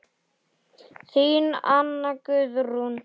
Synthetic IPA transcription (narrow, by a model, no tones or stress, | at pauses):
θiːnanːakʏðɾun